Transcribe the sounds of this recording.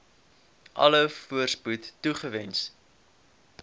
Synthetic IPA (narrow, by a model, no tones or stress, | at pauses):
ʔɐ̰ləfuərsputːuχəvɛns